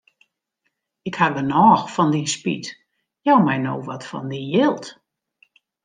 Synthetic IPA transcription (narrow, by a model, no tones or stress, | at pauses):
ɪkhadənɔːxfɔndispḭt | jawmɛjno̰wʋɔtfɔ̰ndijɪlˠt